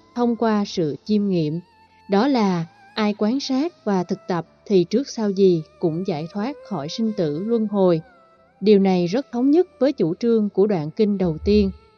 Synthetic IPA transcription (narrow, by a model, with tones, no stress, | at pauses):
t̪ʰə˧wŋ͡mkwaː˧sɨ̰˧˨t͡ɕi˧mŋḭ˧˨əm | ɗɔ˨˦laː˨˩ | ʔaː˧jkwaː˨˦nsaː˦˥t̚vaː˨˩t̪ʰɨ˨˩k̚t̪ə˨˩p̚t̪ʰi˨˩t͡ɕɨ˦˥ək̚sa˧wzi˨˩kʊ̰˧˥ŋ͡mza̰ː˧˩jt̪ʰwaː˦˥t̚xɔ̰˧˩jsï˧ŋ̟t̪ɨ̰˧˨lwə˧nɦo˨˩j | ɗi˨˩əwna˨˩jzə˦˥t̚t̪ʰə˨˦wŋ͡mɲə˦˥t̚vəː˨˦jt͡ɕu˧˩t͡ɕɨ˧əŋku˧˩əɗwa̰ː˧˨nkï˧ŋ̟ɗə˨˩wt̪i˧ən